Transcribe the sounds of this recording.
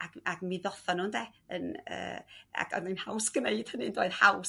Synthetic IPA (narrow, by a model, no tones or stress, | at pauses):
aɡ̥aɡmiðɔθanundeənə̰ːa̰ɡɔ̰minhawsɡ̥əneɨd̥hənɨndoːɨð̥haws